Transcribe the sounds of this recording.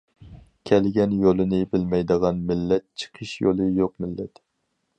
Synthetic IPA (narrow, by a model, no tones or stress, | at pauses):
kʲʰɛlɡʲɛnjolˠɨnɨbɪlmɛjd̪əʁɑnmɪlːɛt̪̚t͡ʃʰə̥qʰəʃjolˠɨjoqmɪlːɛt̪